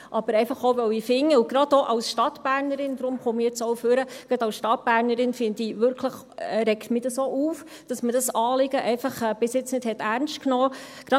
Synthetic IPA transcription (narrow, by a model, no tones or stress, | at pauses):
ʔɑb̥əɾɛɪfɑχoʊvœwifɪŋːəʊɡ̥ɾɑdoʔɑwsʃtɑtb̥æːɾnəɾɪnd̪ɾʊmχumijɛt͡soʊføɾəɡ̥ɾɑdɑlsʃtɑt̚b̥æːɾnəɾɪnfɪndiʋʏɾkʰləχ | ɾɛkt̪midɑsoːʔuːf | d̥ɑsmədɑsɑːlɪɡəʔɛɪfɑχɛb̥ɪsjɪt͡snɪd̥hɛt̪æɾnʃtknɔː | ɡ̥ɾɑ